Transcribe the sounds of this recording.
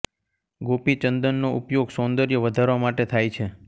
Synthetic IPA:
ɡopit͡ʃənd̪ənːoʔupjoɡsõnd̪əɾjəʋəd̪ʱaɾʋamaʈet̪ʰajt͡ʃʰe

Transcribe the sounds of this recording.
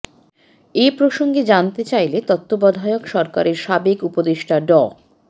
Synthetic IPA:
epɾoʃoŋɡed͡ʑant̪et͡ɕajlet̪ɔt̪ːobɔd̪ʱaeokʃɔɾkaɾeɾʃabekupod̪eʃʈʰaɖɔ

